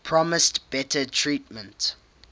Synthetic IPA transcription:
pʰɹɔmɪstb̥ɛtətʰɹitmə̃nt

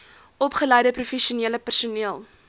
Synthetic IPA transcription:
ɔpχələjdəprufɛʃiuniələpærsuniəlˠ

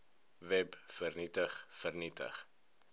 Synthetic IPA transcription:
vɛbfərnitəχfərnitə̰χ

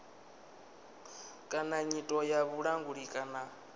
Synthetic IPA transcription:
kʼanaɲitʼɔjaβuɺaŋɡuɺikʼana

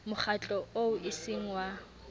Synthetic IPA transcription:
mʊχʰat͡ɬʼɔoʊʔisiŋ̩wa

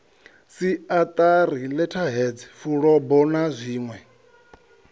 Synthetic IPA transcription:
siat̪ʼarilɛtʰaɦɛd͡zɛfuɺɔbɔnazʷiːŋwɛ

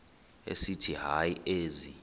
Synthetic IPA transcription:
ḛsitʰiɦajieːzi

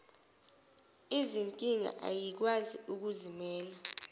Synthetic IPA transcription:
izinkʼiŋa̰ʔa̰jik̬waziuk̬uzimɛːla

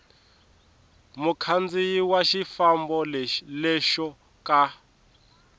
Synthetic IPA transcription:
mukʰand͡zijiwaʃifambɔlɛʃɔ | ka

